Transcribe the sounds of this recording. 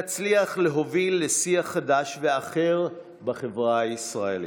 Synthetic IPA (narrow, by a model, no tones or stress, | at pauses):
at͡sliaχle̞ɦo̞vilːesiaχadaʃve̞aχe̞ʁ | baχevʁaisʁaelḭ